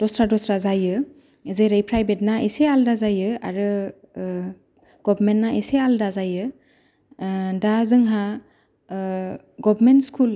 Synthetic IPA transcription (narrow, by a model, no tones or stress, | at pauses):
d̥ɔsɾadɔstɾazajɯ | ezejɾɯjpʰɾajbet̚naesealdazajɯa̰ɾɯ | ɡ̥ɔbɾmentnaesealdazajɯ | dazɯŋɦa | ɡɔbɾmentskʰul